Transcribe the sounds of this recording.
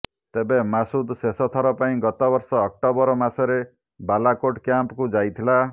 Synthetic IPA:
t̪ebemasud̪sesɔt̪ʰɔɾɔpaĩɡɔt̪ɔbɔɾsɔːk̚ʈɔbɔɾɔmasɔɾe | balakoʈkjampɔkud͡ʒajt̪ʰila

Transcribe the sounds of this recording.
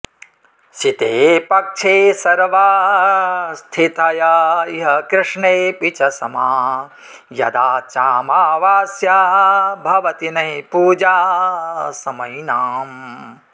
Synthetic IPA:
ʃit̪eːpɐkʂʰeːsɐɾʋaː | st̪ʰit̪ɐjɐiɦɐkɾɪʂɳeːpit͡ʃɐsɐmaː | jɐd̪aːt͡ʃaːmaːʋaːsjaɦbʱɐʋɐt̪inɐjpuːd͡ʒaː | sɐmɐjnaːm

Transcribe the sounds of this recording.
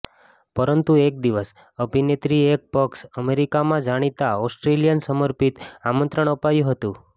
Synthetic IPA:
pəɾənt̪uek̚d̪iʋəs | əbʱinet̪ɾiek̚pəksəmeɾikamãd͡ʒaɽ̃it̪aɔsʈɾelijənsəməɾpit̪amə̃nt̪ɾəɳ̃əpajũɦət̪ũ

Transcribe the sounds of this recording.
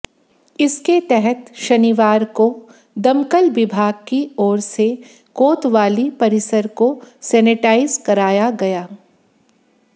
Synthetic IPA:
ɪsket̪ɛɦɛt̪ʃɐniʋaːɾko | d̪ɐmkəlʋɪbʱaːɡ̚kiɔːɾse | koːt̪ʋaːlipɐɾɪsəɾkosɛːnɪʈaːɪzkɐɾaːjaɡɐjaː

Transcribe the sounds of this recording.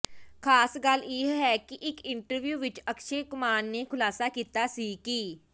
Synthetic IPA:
kʰaːsɡəleːɦɛːkɪʔɪkɪɳʈəɾʋjuːʋɪt͡ʃəkʃeːkʊmaːnneːkʰʊlaːsaːkiːt̪aːsiːkiː

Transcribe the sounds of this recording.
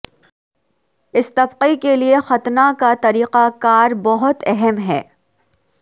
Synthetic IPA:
ɪst̪ɐbqikeliexɐt̪nakat̪ɐɾiːqakaːɾbɐɦʊt̪ɛɦɛmɦɛ̰ː

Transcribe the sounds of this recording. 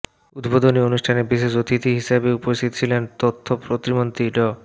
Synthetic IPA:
ud̪bod̪onionuʃʈʰanebiʃeʃot̪it̪iɦiʃabeupoʃt̪ʰit̪ot͡ɕʰilent̪ot̪ʰːopɾot̪ɾimont̪iɖɔ

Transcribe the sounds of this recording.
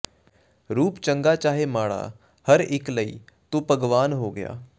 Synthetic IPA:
ɾuːpt͡ʃə̃ŋɡat͡ʃaːɦemaːɽa̰ | hɐɾɪkləiːt̪opɐɡʋaːnɦoɡɐja̰ː

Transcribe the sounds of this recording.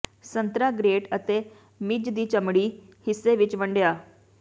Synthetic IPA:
sənt̪ɾaɡɾeːʈət̪e | mid͡ʒd̪iːt͡ʃəmɽiː | hɪsːeʋɪt͡ʃʋəɳɖjaː

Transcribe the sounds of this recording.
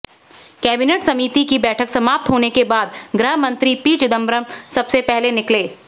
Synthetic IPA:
kɛːbɪneːʈsɐmiːt̪ikibɛːʈʰəksɐmaːp̚t̪ɦoːnekebaːd̪ɡɾɪɦəmɐ̃nt̪ɾipiːt͡ʃɪd̪ə̃mbɾəmsɐbsepɛɦlenɪkleː

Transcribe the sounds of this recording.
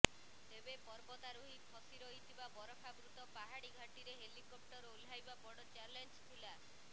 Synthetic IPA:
ebepɔɾbɔt̪aɾuɦipʰɔsiɾɔɦit̪ʰibabɔɾɔkʰabɾut̪ɔpaɦaɽiɡʱaʈiɾeɦelikop̚ʈɔɾulajbabɔɽɔt͡ʃaɾlend͡ʒt̪ʰila

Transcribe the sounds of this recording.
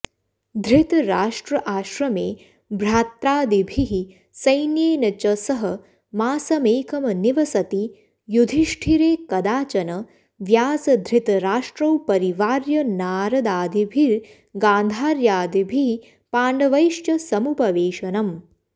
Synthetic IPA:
d̪ʱɾit̪ɾaːʂʈɾɐʔaːʃɾɐmeː | bɾaːt̪ɾaːd̪ibʱiɦi | sɐjnjeːnɐt͡ʃɐsɐɦɐ | maːsɐmeːkɐmɐniʋɐsɐt̪i | jud̪ʱiʃʈʰiɾeːkɐd̪aːt͡ʃɐnɐ | ʋjaːsɐd̪ʱɾit̪ɾaːʂʈɾɐwpɐɾiʋaːɾjɐnaːɾɐd̪aːd̪ibʱiɾ | ɡaːnd̪ʱaːɾjaːd̪ibʱiɦi | paːɳɖɐʋɐjʃt͡ʃɐsɐmupɐʋeːʃɐnɐm

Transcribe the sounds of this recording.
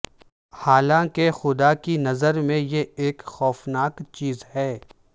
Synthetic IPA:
haːlãkexʊd̪akinɐzəɾmẽjeeːkxɔːfnaːkt͡ʃiːzhɛː

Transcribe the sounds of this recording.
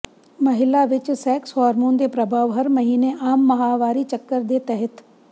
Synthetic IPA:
mɐɦɪlaʋɪt͡ʃsɛːkshɔːɾmõːnd̪epɾɐbʱaːʋɦɐɾmɐɦiːneʔaːmːɐɦaːʋaːɾit͡ʃəkːəɾd̪et̪ɛɦət̪

